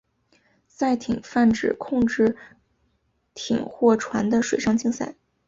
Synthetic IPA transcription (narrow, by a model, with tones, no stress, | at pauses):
sa˥˩ɪt̪ʰi˨˩ŋfa˥˩nʈ͡ʂɻ̩˨˩kʰʊ˥˧ŋʈ͡ʂɻ̩˥˩ | t̪ʰḭ˨˩ŋxwɔ˥˩ʈ͡ʂʰwa˧˥nd̪ə˧ʂwe˨˩ɪʂɑ˥˧ŋt͡ɕi˥˧ŋsa˥˩ɪ